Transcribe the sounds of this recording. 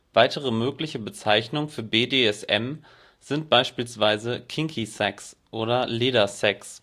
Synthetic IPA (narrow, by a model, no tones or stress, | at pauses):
v̥aɪtəʁ̞əmøːklɪçəbət͡saɪçnʊŋəfyːɐbeːdeːɛsɛ̰m | z̥ɪnt̚b̥aɪʃpiːlsv̥aɪzəkʰɪŋkʰisɛksʔoːɾɐleːɾɐsɛks